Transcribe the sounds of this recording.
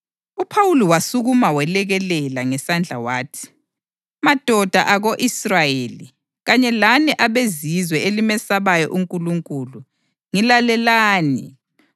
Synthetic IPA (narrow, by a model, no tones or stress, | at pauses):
upʰawuliwasuɣumawɛlɛɣɛlɛlaŋɛsand͡ɮʱa̰waːtʰi̥ | mad̥ʱɔd̥ʱaʔaɣoʔisrajeːli | ɣaɲɛlaniʔaβezizwɛelimɛsaβajɔʔuŋkʼuluŋkʼulu | ŋilalɛlaːnḭ